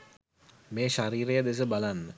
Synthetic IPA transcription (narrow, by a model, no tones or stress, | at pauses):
meːʃaɾiːɾejəd̪es̬əbalanːə